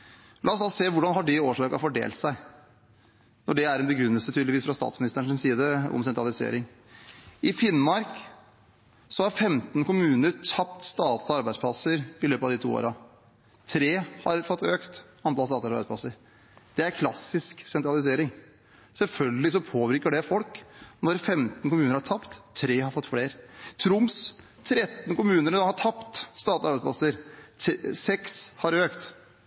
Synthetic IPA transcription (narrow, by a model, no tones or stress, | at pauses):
lʔɑɔsd̪ɑseːʋʊɖɑnɦɑɖɛoːʂɑːkɑfɔɖḛːlt̪sæɪ | nɔɖɛæɾɛnbəɡɾʉnːəlsət̪ʰyːd̪lɪʋiːsfɾɑst̪ɑ̰ːt̪smɪnɪst̪əɳɪnsiːd̪əɔ̰msɛnt̪ɾɑlɪsḛːɾɪŋ | ɪfɪnmɑɾk | sɔhɑɾfɛmt̪n̩kʰʊmʉːnəɾt̪ʰɑpt̪st̪ɑːt̪ɑɾbæɪd̪spʰlɑsəɾɪløːpəɑʋd̪ɪt̪ʰṵːo̰ːɾɑ | t̪ʰɾeːhɑɾfɔt̪ːøːkt̪ʔɑnt̪ɑlsɑːt̪ɑɾbæɪspʰlɑ̰sːəɾ | d̪̥ɛæɾkʰlɑsɪsksɛnt̪ɾɑlɪs̬eːɾɪŋ | sɛlfœlɡəlɪs̬ɔpʰoːʋɪɾkəɖɛfɔlknɔɾfɛmt̪n̩kʊmʉːnəɾhɑʈʰɑpt̪ʰːɾeːhɑɾfɔt̪ːfɽeːɾt̪ʰɾʊms | t̪ʰɾɛt̪ːn̩kʊmʉːnəɾɔhɑʈʰɑpt̪st̪ɑːt̪ɑɾbæɪdspʰlɑ̰səɾ | sɛkshɑɾøːkt̪